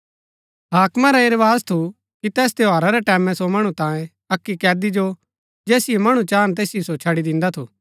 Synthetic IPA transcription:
ɦaːkmaɾaɪɾʋaːzt̪ʰu | kit̪ɛːs̬t̪joaːɾaɾɛʈɛːmɛ̃somɐɽ̃ut̪ãːjẽ | ɐkːikɛːd̪id͡ʒo | d͡ʒeːsɪemɐɽ̃ũt͡ʃaːnt̪eːsiosot͡ʃʰɐɽid̪ɪ̃nd̪at̪ʰuː

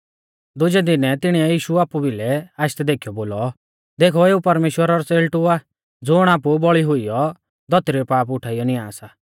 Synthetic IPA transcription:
d̪ʊd͡ʒɛd̪ɪnɛt̪ɪɽ̃iɛjiːʃuaːpubilɛaːɪʃt̪ɛd̪eːkʰijɔboːlɔ | d̪eːkʰɔeːupɐɾmeːʃwəɾaɾɔseːlʈʊa | d͡zʊɽ̃aːpubɔɭiɦʊijɔ | d̪ʱɔt̪ɾipaːpʊʈʰaːijɔniaːsaː

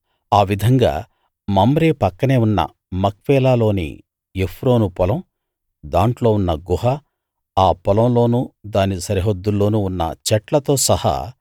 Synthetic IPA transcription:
aːʋid̪ʱɐŋɡa̰ː | mɐmɐɾeːpɐkːɐne̞ːunːɐ̰ | mɐk̚ʋɛːlaːlo̞ːnḭ | epʰɾo̞ːnupɔlɐm | d̪aːɳʈlo̞ːunːɐɡuɦɐ | aːpɔlɐmlo̞ːnuːd̪aːnisɐɾiɦod̪ːulːo̞ːnuːunːɐ̰t͡ʃɛʈlɐt̪o̞ːsɐhɐ̰

